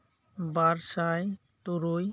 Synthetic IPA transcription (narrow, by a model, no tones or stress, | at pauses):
baɾʃaj | t̪oɾoj